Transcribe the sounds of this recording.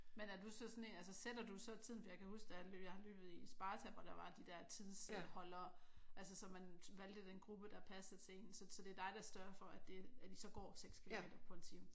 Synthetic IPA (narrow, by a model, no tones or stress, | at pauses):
menæɐd̥usɒ̽sɔ̽ne̝næls̬əsed̥ɐd̥usɒ̽t͡sʰið̰ˠn̩fɒjɑɪkʰæhusɡ̥d̥ɑɑløːjɑ̈ɪhɑ̈lø̰ːb̥ð̞̩ˠisb̥ɑ̈ːt͡sʰɛʋɒɾ̥ɑ̈ʋɑ̈d̥id̥ɛɐ̰t͡sʰiðˠshɒ̽lɐːʔælsəsɒ̽mænʋæld̥əd̥enɡ̥ʁub̥əd̥ɑ̈pʰæsəð̩ˠt͡sʰe̝e̝̰ːnsɒ̽sɒ̽d̥e̝ɐd̥ɑ̈ɪd̥ɑ̈sd̥ɶɐfɒ̽æd̥e̝æd̥isɒ̽ɡ̥ɒ̰ːseɡ̥skʰilo̝me̝̰ːd̥ɐpʰɒ̽e̝nt͡sʰiːmə